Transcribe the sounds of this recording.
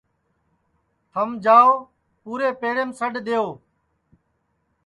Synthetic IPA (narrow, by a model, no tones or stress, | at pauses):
t̪ʰəmd͡ʒaːoː | puːɾeːpeːɾeːmsəɖd̪eːoː